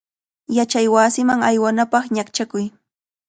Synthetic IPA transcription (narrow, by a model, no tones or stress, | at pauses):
jat͡ʃajwaːsɪmaŋajwanapɑχɲakt͡ʃakʊj